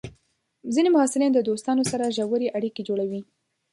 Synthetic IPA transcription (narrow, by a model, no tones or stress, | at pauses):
zinemʊhɑsɪlind̪əd̪ost̪ɑnosaɾaʒawəɾeʔaɽiked͡ʒoɽawi